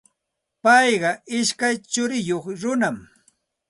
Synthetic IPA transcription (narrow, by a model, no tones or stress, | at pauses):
pɑjɢɑʔɪʃkajt͡ʃʊɾɪjoχɾʊnam